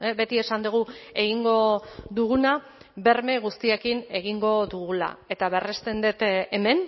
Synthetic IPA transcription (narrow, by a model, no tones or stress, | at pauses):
be̞t̪ie̞sand̪uɣ̞ue̞ɣ̞iŋɡo̞ðuɣ̞una | be̞ɾme̞ɣ̞ust̪iekine̞ɣ̞iŋɡo̞ðuɣula̰e̞t̪aβe̞rest̪e̞nd̪et̪eme̞n